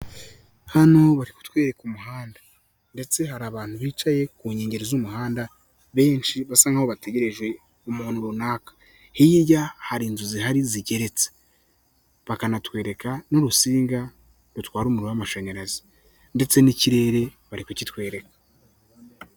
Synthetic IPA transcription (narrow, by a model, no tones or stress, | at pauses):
hano̞βaɾiku̥twe̞ːɾe̞kumuɦaːndḁ | nde̞t͡se̞haɾaːβaːnhuβiːt͡ʃaje̞kuːɲeːɲɟe̞ɾezumuɦaːnda | βe̞ːnt͡ʃiβasaːŋɡaoβate̞ɟe̞ɾe̞ʒwe̞ | umuːnuɾunaːkḁ | hijijahaɾiːnzuziɦaɾiziɟe̞ɾe̞t͡se̥ | βakanatwe̞ːɾe̞kanoɾusiːŋɡa | ɾutwaːɾuːmuɾowamaʃeɲeɾazi | nde̞t͡se̞niciɾe̞ːɾe̞βaɾikocitwe̞ːɾe̞kḁ